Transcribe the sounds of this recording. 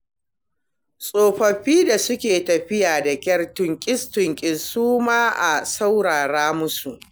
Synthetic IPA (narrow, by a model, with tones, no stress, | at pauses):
sʼoː˨ɸɐ˨ɸiː˦da˨sʊ˦kʲeː˨tɐ˨ɸɪ˦jaː˨da˨kʲɐ˦rtʊ˨ŋkʲʼɪ˦stʊ˨ŋkʲʼɪ˦˨suː˦maː˦ʔa˨sa˦wɽaː˨ɽaː˦mʊ˦su˨ʔ